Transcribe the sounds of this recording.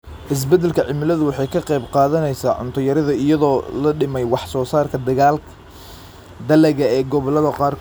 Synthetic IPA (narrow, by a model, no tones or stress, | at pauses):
ʔɪs̬bɛd̪ɛlkʰɐʕɪmɪlɐðʊwɑħɑjkʰɐqɛjbqɑːðɐnɛjsaːʕʊ̰nt̪ʰɔjɐɾɐðɐɪjɐðɔːlɐɖɪmɛjwɑħsɔːsaːrkʰɐd̪ɐɣaːlkʰ | d̪ɐlɛɣɐɛːɡɔβɐlɐðɐqɑːrk